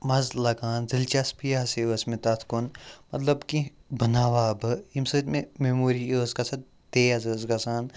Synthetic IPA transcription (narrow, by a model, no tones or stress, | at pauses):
mɐzlɐɡaːnzilt͡ʃaspijaseəsmẽt̪ɐt̪ʰkonmɐt̪lɐbkibʱɐnaːʋaːbɨimsɨt̪mememoːɾioːzkɐsɐt̪ | t̪ejɐzəːzkɐsaːn